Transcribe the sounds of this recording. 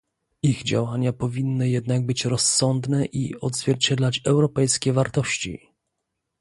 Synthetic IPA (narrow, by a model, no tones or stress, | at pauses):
iɣd͡ʑa̰waɲapɔvʲinːɘjɛd̪naɡ̚bɘt͡ɕɾɔsːɔnd̪nɛʔḭɔd̪zvʲjɛɾt͡ɕɛd̪lat͡ɕɛwɾɔpɛjskʲɛvaɾt̪ɔɕt͡ɕḭ